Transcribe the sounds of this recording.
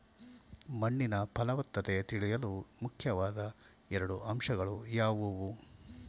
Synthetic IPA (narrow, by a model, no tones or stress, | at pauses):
mɐɳːinɐpʰɐlɐʋɐt̪ːɐt̪et̪iɭijɐlumukʰjɐʋaːd̪ɐ | ɛɾɐɽuʔɐmʂɐɡɐɭujaːʋuʋu